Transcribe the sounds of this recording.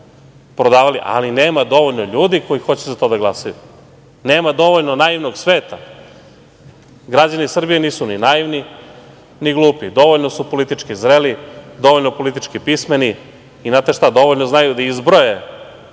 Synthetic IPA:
pɾod̪aːʋaliʔa̰lineːmad̪o̞ʋoʎno̞ʎuːd̪iko̞jixo̞t͡ɕezat̪o̞d̪aɡlˠasaju | neːmad̪o̞ʋoʎnonaiʋnoɡsʋeːt̪a | ɡɾad͡ʑanisr̩bijeniːsuninaiʋni | niɡlˠuːpid̪o̞ʋoʎnosupo̞lit̪it͡ʂkizɾelid̪o̞ʋoʎnopo̞lit̪it͡ʃkipismeni | inat̪eʃt̪ad̪o̞ʋoʎnoznajud̪aizbɾoje

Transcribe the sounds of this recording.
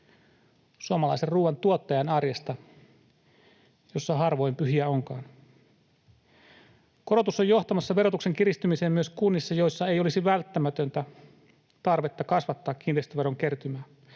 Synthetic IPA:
suomɑlɑiserruːʋɑnt̪uot̪ːɑjɑnɑrjest̪ɑ | jo̞sːɑɦɑrʋo̞jmpyɦiæo̞ŋkɑːn | ko̞ɾo̞t̪usojo̞ht̪ɑmɑsːɑʋeɾo̞t̪ukse̞ŋkiɾist̪ymiseːmyø̞skunːisːɑjo̞jsːɑe̞jo̞lisiʋælt̪ːæmæt̪ønt̪æ | t̪ɑrʋet̪ːɑkɑsʋɑt̪ːɑːkːint̪eist̪oʋeɾoŋke̞rt̪ymæː

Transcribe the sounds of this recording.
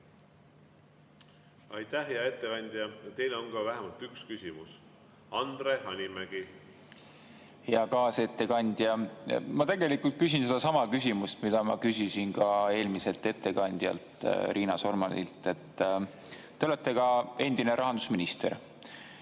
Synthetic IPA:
ɑjt̪æhɦeɑe̞t̪ːe̞kɑnʲd̪̥ʲjɑjɑt̪e̞jleoŋɡɑvæɦemɑlt̪ykskysimus | ɑnd̪ɾehɑnʲimæɡ̥i | heɑkɑːse̞t̪ːe̞kɑnʲd̪̥jɑmɑt̪e̞ɡe̞likult̪̚kys̬ʲins̬ed̪ɑsɑmɑkys̬ʲimust̪mid̪̥ɑmɑ̰kysisinkɑe̞ːlmise̞lt̪e̞t̪ːe̞kɑnʲd̪̥jɑ̰lt̪ˑɾiːnɑso̞rmɑnḭlt̪ːˑe̞t̪ː | e̞ole̞t̪ːˑe̞kɑe̞nd̪̥ine̞ɾʔɑɦɑnd̪̥usminist̪e̞̰r

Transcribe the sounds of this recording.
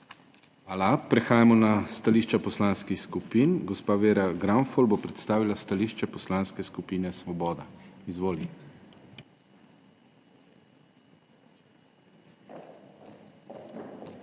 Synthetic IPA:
alapɾɛxaːjamɔnast̪aliːʃt͡ʃapɔslaːnskixskupiːnɡɔspaːʋeːɾaɡɾanfɔlbopɾɛt̪st̪aːʋilast̪aliːʃt͡ʃɛpɔslanskɛskupiːnɛsʋɔbɔːd̪aizʋoːli

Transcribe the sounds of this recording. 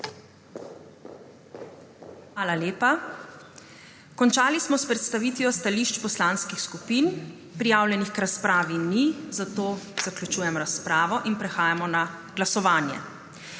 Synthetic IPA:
xʋaːlaleːpa | kɔnt͡ʃaːlismɔspɾɛt̪st̪aʋiːt̪ʋijɔst̪aliʃt͡ʃpɔslaːnskixskupiːn | pɾijaːwljɛnixkɾaspɾaːʋinizat̪oːz̥aklʲut͡ʃuːjɛmɾaspɾaːʋɔʔinpɾɛxaːjamɔna | ɡ̥lasɔʋaːnjɛ̰

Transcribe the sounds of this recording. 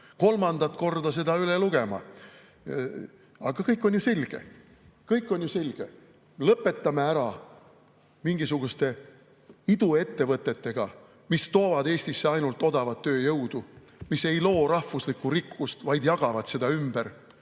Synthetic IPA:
ko̞lmɑnd̪̥ɑt̪ˑko̞rd̪̥ɑse̞d̪ɑyleluɡ̥e̞mɑ̰ | ɑɡ̥ɑkɤjkːˑo̞nʲjuse̞lʲɡ̥e̞̰ | kɤjkːˑo̞nʲjuse̞lʲɡ̥e̞ | lɤpːˑe̞t̪ˑːɑmeæɾɑ | miŋɡ̥isuɡ̥ust̪e̞ | id̪̥ue̞t̪ːe̞vɤt̪ːˑe̞t̪ːe̞ɡ̥ɑ | mist̪o̞ːvɑd̪e̞ːsʲt̪isːeɑjnult̪ːˑo̞d̪̥ɑvɑt̪ːø̞ːjɤwd̪̥u | mise̞jlo̞ːɾɑhfuslikːuɾikːust̪vɑjd̪jɑɡ̥ɑvɑd̪̥se̞d̪̥ɑymb̥eɾ

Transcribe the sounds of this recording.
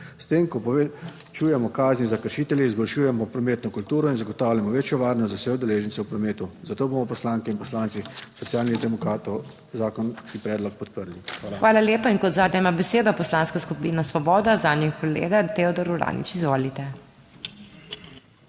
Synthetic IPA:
st̪eːmkɔpɔ | t͡ʃuːjɛmɔkaːznizakəɾʃiːt̪ɛljɛizbɔlʃuːjɛmɔpɾɔmeːt̪nɔkult̪uːɾɔinzaɡɔt̪aːwljamɔʋeːt͡ʃjɔʋaːɾnɔst̪zawsɛud̪ɛleːʒənt̪sɛwpɾɔmeːt̪uzat̪oːbomɔpɔslaːŋkɛinpɔslaːnt̪sisɔt̪sjaːlnid̪ɛmɔkɾaːt̪ɔ | zaːkɔnskipɾɛːd̪lɔk̚pɔt̪̚pəɾlixʋaːlaxʋaːlaljeːpainkɔd̪zaːd̪ɲʲɛmabɛseːd̪ɔpɔslaːnskaskupiːnasʋɔbɔːd̪azaːd̪njikɔlḛːɡat̪eɔd̪ɔɾuɾa̰ːnḭt͡ʃizʋoːlit̪ɛ

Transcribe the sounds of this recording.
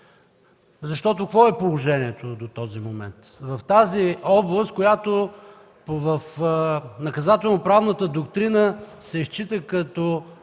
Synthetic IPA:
zɐʃt̪ɔt̪okvɔɛpolˠoʒɛniɛt̪od̪ot̪ɔzimomɛ̰nt̪vɐft̪aziɔblˠəst̪̚kojat̪o | vəf | nɐkɐzat̪ɛlˠnopɾavnət̪əd̪okt̪ɾinəsɛist͡ʃit̪əkɐt̪ɔ

